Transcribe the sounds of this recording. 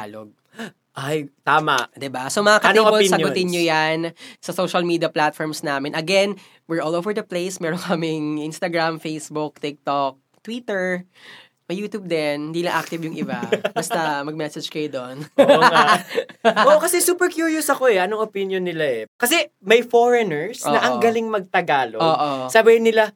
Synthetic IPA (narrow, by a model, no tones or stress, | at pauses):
a̰ːloɡ̚ | ʔajt̪aːma̰ʔd̪ɪbasomɐŋakɐniːpolsɐʊt̪ɪnɲojansɐsowʃɐlmiːd̪iɐplat̪fɔɹmsnaːmɛnʔɐɡɛn | wɪɹʔoːlowvɛɹd̪ɐplejsmɛːɾoŋkʰɐmɪŋʔinst̪ɐɡɹamfejsbuk̚t̪ik̚t̪ok̚ | t̪wiːt̪ɛɹ | mɐjuːt̪juːb̚d̪ɛnɪnd̪iːlɐʔak̚t̪ɪvjʊŋʔɪ̰babɐsɐmɐɡ̚mɛsɐd͡ʒkɐjod̪oʔna | oːʔokɐsɛsuːpɛɹkjuɹjosɐko̞ʔɛʔɐnoŋʔopinjonːɪlaɛkɐsɛmɐjfoɹɛnɛɹsʔoɐʔɐŋŋɡɐlɪŋmɐɡ̚t̪ɐɡaːloʔoːʔosɐbejɪnːɪla